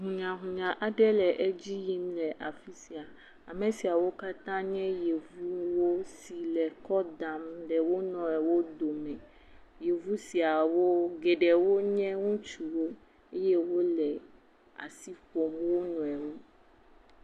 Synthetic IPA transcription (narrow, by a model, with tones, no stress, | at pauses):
ɦũ˨ɲã˨ɦũ˨ɲã˨ʔa˨ɖɛ˦lɛ˨ʔɛ˦d͡ʑi˦ji˦mlɛ˨ʔa˨fi˦si˨a˨ | a˨mɛ̃˨si˨a˨wo˦ka˦t̪ã˦ɲɛ̃˦je˨vu˦wo˦si˨lɛ˨kɔ˦d̪a˨mɖɛ˨wo˦nɔ̃˨ɛ˨wo˦d̪o˨mɛ̃˨ | je˨vu˦si˨a˨wo˦ɡɛ˨ɖɛ˨wo˦ɲɛ̃˦ŋũ˦t͡ʃu˨wo˦ | e˦jɛ˦wo˦lɛ˨ | a̰˨si˦ɸo˨mwo˦nũ˨ɛ˨wu˦